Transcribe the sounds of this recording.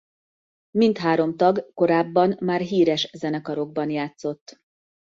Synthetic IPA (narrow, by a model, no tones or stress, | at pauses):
mint̪ɦaːɾo̞mt̪ɒɡko̞ɾaːbːɒnmaːrɦiːɾɛʃzɛnɛkɒɾo̞ɡ̚bɒnjaːt̪so̞t̪ː